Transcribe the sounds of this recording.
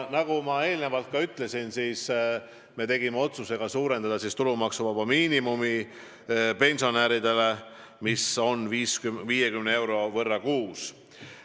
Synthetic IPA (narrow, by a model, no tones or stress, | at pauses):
nɑɡ̥umɑe̞ːlnevɑlt̪̚kɑyt̪ˑle̞sinsiːs | me̞t̪e̞ɡ̥imeo̞t̪suse̞ɡ̥ɑsuːɾe̞nd̪̥ɑd̪ɑsist̪ulumɑksuvɑbɑmiːnimumi | pe̞nʲsio̞næɾid̪e̞le̞ | miso̞nviːskyviːje̞kymnee̞wɾo̞vɤrːɑkuːs